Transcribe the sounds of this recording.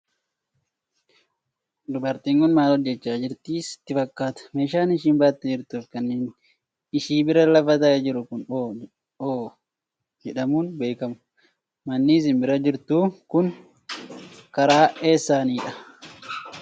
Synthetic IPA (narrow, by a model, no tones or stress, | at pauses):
d̪ʊbɐɾt̪iːŋkʊnmaːlɔd͡ʒːɛt͡ʃːaːd͡ʒɪɾt̪iːsɪ̥t̪ːɪfɐkːaːt̪ɐ̥meːʃaːnɪʃiːnbaːt̪ːɛd͡ʒɪɾt̪uːfkɐnːeːn | ɪʃiːbɪɾɐlɐfɐt̪ɐd͡ʒɪɾʊkʊnoː | oː | d͡ʒɛᶑɐmuːnbe̞ːkɐmʊ̥ | mɐnːiːs̬ɪnbɪɾɐd͡ʒɪɾt̪uːkʊn | kɐɾaːeːsːaːniːᶑɐ